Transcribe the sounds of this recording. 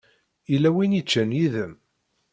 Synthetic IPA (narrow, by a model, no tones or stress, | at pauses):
ilːæwinit͡ʃːənjiðəm